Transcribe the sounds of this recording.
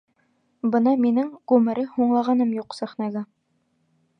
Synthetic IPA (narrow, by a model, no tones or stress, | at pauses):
bɤnɑminɘŋʁʉmɘ̆ɾɘhuɴlˠɑʁɑnɤmjuqsæχnæɡæ